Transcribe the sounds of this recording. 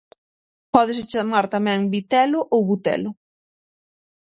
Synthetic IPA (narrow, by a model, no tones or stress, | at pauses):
pɔð̞ɪst͡ʃamaɾt̪amɛ̃ŋbit̪ɛlʊʔowβut̪ɛ̰lʊ